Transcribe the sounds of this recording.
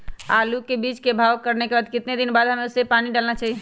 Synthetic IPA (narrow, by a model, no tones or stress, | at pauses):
alukebit͡ʃkebʱawkəɾnekebad̪kɪt̪ned̪inbad̪ʱɦəmeusepaniɖalnat͡ʃʰaɦi